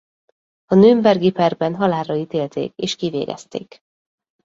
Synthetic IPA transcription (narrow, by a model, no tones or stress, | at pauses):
ɒnøːmbɛrɡipɛrbɛnɦɒlaːrɒit̪eːlt̪ʰḛːkeːʃkivḛːɡɛ̰st̪ḛːk